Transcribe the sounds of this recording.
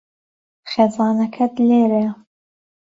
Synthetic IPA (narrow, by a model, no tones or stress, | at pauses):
χeːzɑːnɐkʰɐd̪leːɾe